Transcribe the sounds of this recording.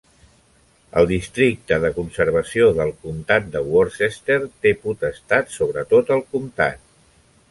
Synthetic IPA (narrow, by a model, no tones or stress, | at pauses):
ə̰lˠd̪ist̪ɾik̚t̪əðəkunsəɾβ̞əsioðəlˠkumt̪at̪̚d̪əwɔɾsest̪eɾt̪eput̪əst̪at̪soβ̞ɾət̪ot̪əlˠkumt̪a̰t̪̚